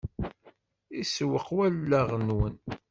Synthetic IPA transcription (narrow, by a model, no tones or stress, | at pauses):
iswəqːwælːæʁənwən